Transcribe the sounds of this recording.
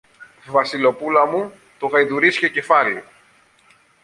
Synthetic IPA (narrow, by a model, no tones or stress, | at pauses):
vɐsilo̞pulɐmu | t̪oɣɐjðuɾiscecefɐli